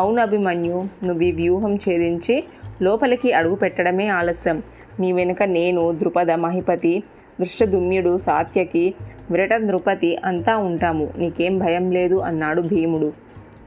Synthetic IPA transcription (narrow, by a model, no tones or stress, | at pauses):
ɐwnɐbʱimɐːnjunuʋiʋjuːɦɐmt͡ʃeːd̪iɲt͡ʃilɔːpɐlɐkiɐɽuɡupɛʈːɐɽɐme̞ːaːlɐsjɐmː | iːʋenɐkɐne̞ːnud̪ɾupɐd̪ɐmɐɦipɐt̪i | d̪ɾuʂʈɐd̪ʱumjuɽusaːt̪ʰjɐki | ʋɾɐʈɐd̪ɾupɐt̪iʔɐnt̪aːuɳʈaːmuniːke̞ːmbʱɐjɐmle̞ːd̪uʔɐ̰nːaːɽubʱiːmuɽu